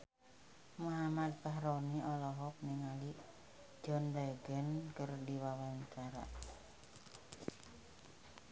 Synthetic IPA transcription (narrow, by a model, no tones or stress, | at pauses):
muɦamat̪̚baɦɾoniʔɔlɔɦɔk̚niŋali̥ | d͡ʒɔndɛɡənkərdiwawaɲt͡ʃaɾa̰